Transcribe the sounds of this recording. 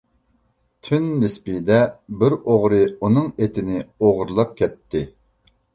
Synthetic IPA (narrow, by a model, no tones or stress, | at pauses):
t̪ʰynːɪspid̪ɛbɪɾoʁɾɨunɨŋet̪ʰɪnɪoʁɾlˠɑp̚kʲʰɛt̪ʰːɪ